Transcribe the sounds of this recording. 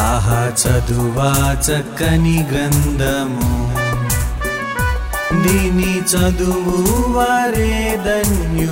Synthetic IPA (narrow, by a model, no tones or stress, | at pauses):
aɦɐt͡ʃɐd̪uʋaːt͡ʃɐkːɐniɡɾɐnd̪ʱɐmu | nd̪init͡ʃɐd̪uʋuʋaːɾe | d̪ɐnju